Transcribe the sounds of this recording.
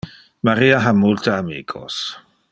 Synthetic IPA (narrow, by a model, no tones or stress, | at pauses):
maɾiːaɦamult̪aamḭːkʰo̰s